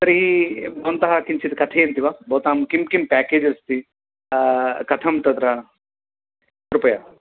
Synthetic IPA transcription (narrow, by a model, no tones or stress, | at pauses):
t̪ɐɾibont̪ɐɦakimt͡ʃʰit̪kɐt̪ʰeːnt̪iʋabɔːt̪aːmkimkimpɛːkeːd͡ʒɐst̪i | kɐt̪ʰɐmt̪ɐt̪ɾɐ | ɾʊpəjaː